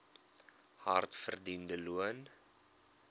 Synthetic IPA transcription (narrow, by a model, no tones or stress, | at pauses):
hɐ̰rtfə̰rdindəluən